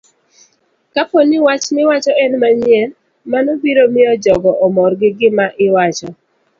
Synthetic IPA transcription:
kaponɪwat͡ʃnɪwat͡ʃɔɛnmaɲjɛl | manobiɾomɪɔd͡ʒɔɡɔʔɔmɔrɡɪɡɪmaʔɪwat͡ʃɔ

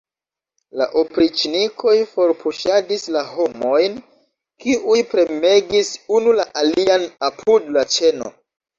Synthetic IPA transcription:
la̰ʔopɾit͡ʃnikʰo̞jfo̞ɾpʰuʃadislaho̞mo̞jn | kiʔujpɾe̞me̞ɡisunulaʔalianapʰudlat͡ʃe̞no̰

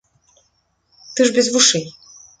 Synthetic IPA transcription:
t̪ɨʐbʲɪzvuʂɛj

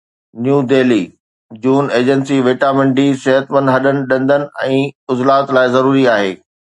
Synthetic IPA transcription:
njuːdeːliː | d͡ʑuːneːd͡ʑənsiʋeːʈamɪ̃ɳɖisɛɦət̪mə̃nd̪ɦɐɗənɪ̆ɗɐ̃nd̪ənɪ̆ɛ̃ːʊzlaːt̪laːɪzɐɾuːɾiaːɦeː

